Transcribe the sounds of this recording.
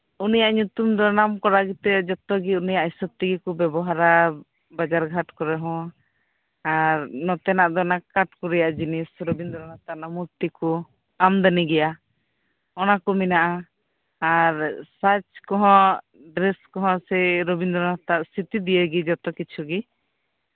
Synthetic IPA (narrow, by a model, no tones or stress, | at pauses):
unijaʔɲut̪umd̪ɔnamkɔɾaɡit̪ɛd͡ʒɔt̪ɔɡiunijaʔisɔp̚t̪iɡikubɛbɔɦaɾa | bad͡ʒaɾɡʱaʈkɔɾɛɦɔ̃ | aɾnɔt̪ɛnaʔd̪ɔnakaʈkuɾɛjaʔd͡ʒinisɾɔbind̪ɔɾɔnat̪aʔnamuɾt̪iku | amd̪aniɡɛja | ɔnakuminaʔaː | ɾsat͡ʃkɔɦɔ̃ | ɖɾɛskɔɦɔ̃sɛɾobind̪ɔɾnat̪aʔsit̪id̪iəɡid͡ʒɔt̪ɔkit͡ʃʰuɡi